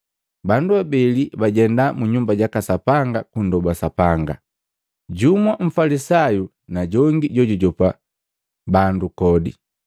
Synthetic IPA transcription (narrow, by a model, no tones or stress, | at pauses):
banduabɛlibaɟɛndamuɲumbaɟakasapaŋɡakundɔbasapaŋɡa̰ | ɟumwaɱ̩falisaju | naɟɔŋɡiɟɔɟuɟɔpa | bandukɔdḭ